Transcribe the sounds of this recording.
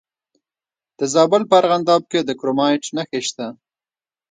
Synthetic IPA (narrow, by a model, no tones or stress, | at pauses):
d̪̥əzɑbəlpəaɾɣand̪ɑb̚ked̪əkɾomɑjʈnaxeʃt̪a